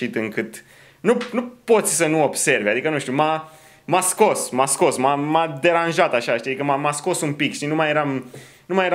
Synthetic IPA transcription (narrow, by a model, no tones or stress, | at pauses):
it̪ɨŋkɨt̪ | nunupo̞t̪sʲsənuo̞bse̞rvad̪ikənuʃt̪ʲuma | masko̞smasko̞smamad̪e̞ɾanʒat̪aʃaʃt̪iad̪ikəmamasko̞sumpikʃt̪inumajeɾam | numajeɾ